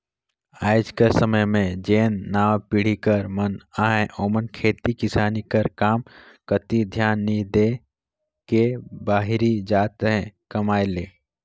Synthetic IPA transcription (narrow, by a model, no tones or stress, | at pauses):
aːjd͡ʒkesəməjmẽd͡ʒeːnːaːpɪɽ̤ikəɾmənaːɦeʔoːmənkʰeːt̪ikɪsaːnikɐɾkaːm | kət̪id̪ʱjaːnːid̪eː | kebaːɦɾid͡ʒaːt̪ɦɛ̃kɐmaːjleː